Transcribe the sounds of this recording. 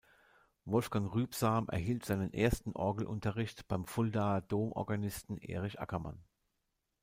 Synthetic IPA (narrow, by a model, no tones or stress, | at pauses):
vɔlfɡ̥aŋʁyːpz̥aːmʔɛ̰ɐɦiːltz̥aɪnənʔḛːɐstn̩ʔɔɐɡl̩ʔʊ̰ntɐʁɪçtb̥aɪmfʊldad̥oːmʔɔ̰ɐɡanɪstn̩ʔḛːʁɪçʔa̰kɐma̰n